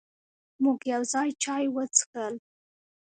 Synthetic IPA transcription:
muɡjawzɑjt͡ʃɑjwət͡skəl

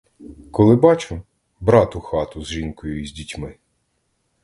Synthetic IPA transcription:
kɔlˠɪbɑt͡ʃʊ | bɾɑt̪ʊxɑt̪ʊzʒinkɔjʊizʲdʲitʲmɪ

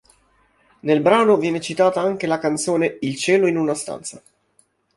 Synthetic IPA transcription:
nelbɾaːnovjɛːnet͡ʃit̪aːt̪aaŋk̟elakant̪soːneilt͡ʃɛːloinunast̪a̰nt̪sa

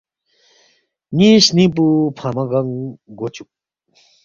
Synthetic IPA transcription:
niɕnip̬upʰamaɡɐŋɡot͡ɕuk̚

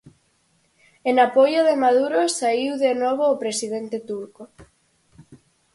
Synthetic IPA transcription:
enapojoðemaðuɾosaiwðenɔβ̞oːpɾesiðent̪et̪uɾko

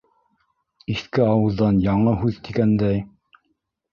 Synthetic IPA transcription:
iθkɘɑwɤ̆ðːɑnjɑɴɤɦʉðt̪iɡænd̪æj

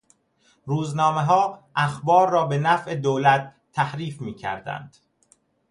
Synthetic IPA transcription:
ɾuːznɒːme̞ɦɒːʔæxbɒːɾːɒːbe̞næfʔe̞d̪oːlæt̪ʰːæhɾiːfmiːcʰæ̰ɾd̪æ̰nd̪̥

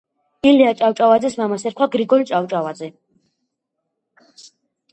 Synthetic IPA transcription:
iliat͡ʃʼawt͡ʃʼavad̪zɛsmamasɛɾkʰwaɡɾiɡɔlit͡ʃʼawt͡ʃʼavad̪zɛ

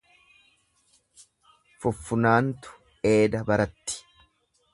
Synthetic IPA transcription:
fʊfːʊnaːnt̪ʊ̥ | e̞ːd̪ɐbɐɾɐt̪ːɪ̥

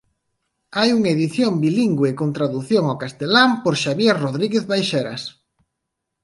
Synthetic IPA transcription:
ajuŋeðiθjombiliŋɡwekont̪ɾaðuθjoŋawkast̪elampoɾʃaβjeroðɾiɣeðβajʃɛɾa̰s

